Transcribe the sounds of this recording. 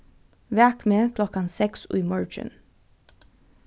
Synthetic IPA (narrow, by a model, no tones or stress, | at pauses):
ʋækmeːkʰlɔkɑnsɛkso̰iːmɑɹd͡ʒə̰n